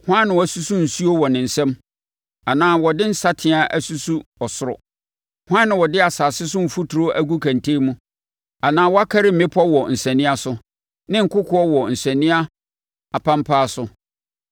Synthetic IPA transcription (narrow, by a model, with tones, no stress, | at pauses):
hã˦nːɪ̃˨wɔ˨æ˨su˦su˦n̩˨su˦o˦wɔ˨nɪ̃˨n̩˨sɛ̃˦m | a˨nãː˦wɔ˨dɪ̃˦n̩˦sa˦tʰɪ̃˨˦a˦ʔæ˨su˦su˦ɔ˨sʊ˦ɾɔ̰˨ | hʊ˦ã˦nːɪ̃˨wɔ˨dɪ˦a˨saː˨sɪ˦sʊ˦m̩˨fu˦tʰu˨ɾo˦ʔæ˦ɡu˦kʰæ̃˨ntʰe˦mũ˦ | a˨nãː˦wɔ˦a˦kʰa˦ɾɪ˦m̩˨mɪ̃˦pʰɔ˦wɔ˨n̩˨sɛ̃˨nĩ˦a˦sʊ˦ | nɪ̃˦ŋ̩˨kʊ˦kʰʊ˦ɔ˦wɔ˨n̩˨sɛ̃˨nĩ˦a˦ | a˨pʰã˦mpʰaː˦sʊ˦